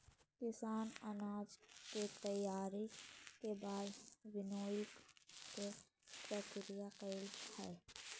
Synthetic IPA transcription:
kɪsaːnɐnaːd͡ʒket̪əjaːɾekebaːdwɪnoːɪlkke | pɾəkɾɪjaqeːlhɛː

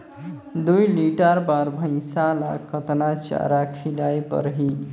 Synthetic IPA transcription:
d̪ujliʈəɾbaɾbʱə̃ɪ̃sala̰kʰːət̪nat͡ʃa̰ɾakʰilajpə̰ɾɦi

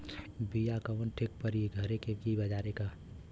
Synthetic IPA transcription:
bijakəʋənʈʰɪk̚pəɾiɡʱɐɾekekibɐd͡ʒaːɾeka

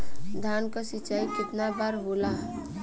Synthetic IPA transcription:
d̪ʱankasit͡ʃaikɪt̪nabaɾɦola

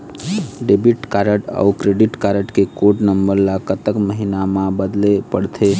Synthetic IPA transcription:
ɖebiʈkaɾəʈə̰ukɾeɖiʈkaɾəʈkekoʈnəmbəɾlakət̪əkməɦinamãbəd̪lepəɽt̪ʰe

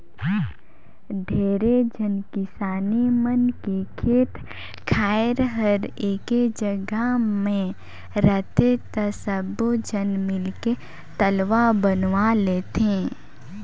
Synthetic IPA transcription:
ɖʱeːɾed͡ʒənkɪsaːnimənkekʰeːt̪ | kʰaːɪɾɦəɾeːked͡ʒəɡəmẽ | ɾət̪et̪əsəbod͡ʒənmɪlke | t̪əlʋabənʋaleːt̪ẽ

